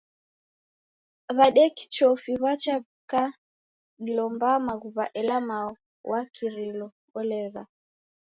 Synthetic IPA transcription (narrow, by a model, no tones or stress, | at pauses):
βaɗɛki̥t͡ʃɔfiβat͡ʃaβ | ka | ɗilɔmbamaɣuβaʔɛlamaɔ | wʔakʰiɾilɔ | ɔlɛɣa